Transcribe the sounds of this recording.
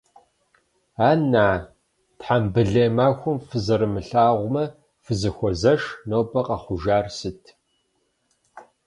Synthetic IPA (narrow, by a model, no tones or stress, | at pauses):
aːnaː | tħambɨɮeːmaːxʷʊmfɨzɐɾɨmɨɬaːʁʷmɐ | fɨzɨxʷɔzɐʂnoːbɐqɐχʷʊʒaːrsɨtʰ